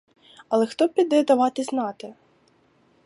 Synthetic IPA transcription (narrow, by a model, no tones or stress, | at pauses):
ɐlˠɛxt̪ɔpʲid̪ɛd̪ɐʋɑt̪ɪznɑt̪ɪ